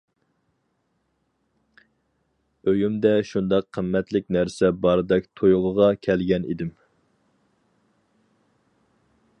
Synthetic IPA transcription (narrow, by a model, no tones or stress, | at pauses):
øjymd̪ɛʃund̪ɑqʰːəmːɛt̪lɪkʲnæɾsɛbɑɾɨd̪ɛk̚ʲt̪ʰojʁʊʁɑkʲʰɛlɡʲɛnḭd̪ɪm